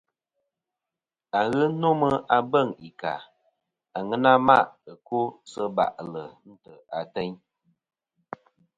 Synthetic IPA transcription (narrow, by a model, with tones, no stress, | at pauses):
a˨ɣɨ˦no˦mə˦a˦bə˦˨ŋi˨ka̰˨ | a˨ŋɨ˦na˦ma˦ʔə˨ko˦sə˦ba̰˨ʔlə˨n̩˦tə˨a˨tɛ˦ɲ